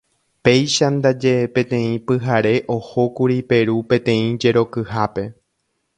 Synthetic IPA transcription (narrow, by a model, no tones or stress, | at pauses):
pe̞jʃand̪ad͡ʒe̞pẽ̞t̪ẽ̞ĩpɨɦaɾe̞ʔo̞ho̞kuɾipe̞ɾupẽ̞t̪ẽ̞ĩd͡ʒe̞ɾo̞kɨhape̞